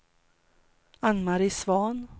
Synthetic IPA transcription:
anmaɾɪsvɑːn

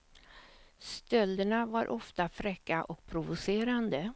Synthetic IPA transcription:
st̪œld̪əɳavaɾʔɔft̪afɾɛkːaʔɔk̚pʰɾʊvʊseːɾand̪ə

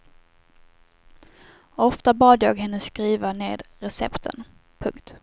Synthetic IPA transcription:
ɔft̪abɑːd̪jɑːɡɦɛnːəskɾiːvaneːd̪ɾɛsɛ̰pt̪ʰə̰n | pʰɵŋkt̪

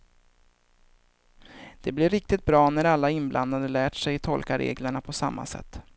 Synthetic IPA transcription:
d̪̥ɛblɪɾɪk̚t̪ɪt̪̚bɾɑːnæɾalːaɪnblʔa̰nd̪ad̪əlæːʈʂɛjt̪ʰɔlkaɾʔḛːɡləɳapʰɔsamːa̰sɛ̰t̪ː

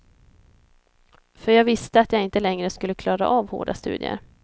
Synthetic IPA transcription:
fœɾjɑːɡvɪst̪əat̪jaːɡɪnt̪əlɛŋɾəskɵlːəkʰlɑːɾa̰ʔɑːvho̰ːɖast̪ʉ̟̰ːd̪ɪ̰ə̰ɾ

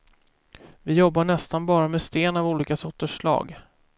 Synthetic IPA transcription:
vɪjɔbːaɳɛst̪anbɑːɾamɛst̪eːnavuːliːkasɔt̪ːəʂlɑ̰ːɡ

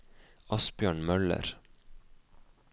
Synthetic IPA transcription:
ɑsbjøːɳmœlə̰ɾ

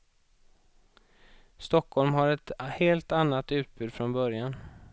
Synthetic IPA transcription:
st̪ɔkʰːhɔlmhaɾɛt̪heːlt̪anːat̪ʉ̟ːt̪̚bʉ̟ːd̪fɾɔnbœɾjan

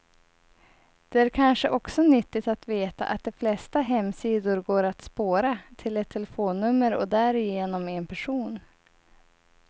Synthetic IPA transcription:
d̪̥ɛæɾkʰanʂəʔɔksɔnʏt̪ːɪt̪at̪veːt̪a̰ʔat̪̚d̪ɛflɛst̪aɦɛmːsiːd̪ʊɾɡoːɾat̪spoːɾat̪ʰɪlɛt̪ʰːɛlɛfoːnːɵmːəɾɔ̰d̪æɾɪjeːnɔmɛnpʰæʂuːn

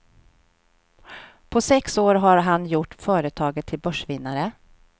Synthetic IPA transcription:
pʰɔsɛksoːɾɦaɾɦanjʊʈːfœːɾət̪ʰɑːɡət̪ʰːɪlbœʂvɪnːaɾə

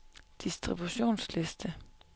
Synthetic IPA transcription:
d̪̥ɪsd̪̥ʁɪbʉɕṵːnslɪst̪ʰə

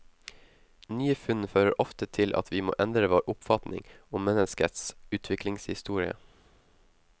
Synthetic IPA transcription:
nyːəfʉnføːɾəɾʔɔft̪ət̪ʰɪlʔɑ̰t̪ʰʋiːmo̰ːʔɛnd̪ɾəʋoːɾʔʊpfɑt̪nɪ̰ŋʊmːɛnəskət̪sʉːt̪ʰʋɪklɪŋshɪst̪uːɾɪə̰

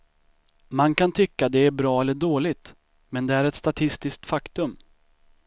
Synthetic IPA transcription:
mankant̪ʰʏkːad̪ɛæɾbɾɑːɛlːəɖoːlɪt̪ | mɛnd̪ɛæɾɛt̪st̪at̪ʰɪst̪ɪsk̚t̪fakt̪ɵm

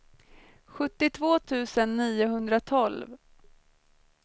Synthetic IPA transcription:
ɧɵt̪ːɪt̪ʰvoːt̪ʰʉ̟ːsənːiːʊɦɵnd̪ɾat̪ʰɔlv

